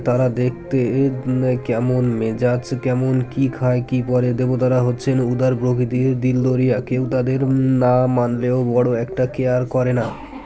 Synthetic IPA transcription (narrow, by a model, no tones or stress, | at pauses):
t̪aɾad̪ek̚ʰt̪e | kɛmonmed͡ʑat͡ɕkɛmonkikʰaekipɔɾed̪ebot̪aɾaɦotːɕʰenud̪aɾbɾoɡʱid̪iɾd̪ild̪oɾijakewt̪ad̪eɾnamanleobɔɽoɛkʈakeaɾkɔɾena